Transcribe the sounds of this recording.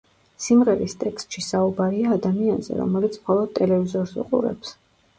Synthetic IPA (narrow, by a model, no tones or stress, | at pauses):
simʁɛɾist̪ʼɛkst̪ʃisaubaɾiaːd̪amianzɛ̰ɾɔ̰mɛlit̪sʰmχɔlˠɔd̪̥̚t̪ʼɛlɛvizɔɾsṵqʼṵɾɛ̰ps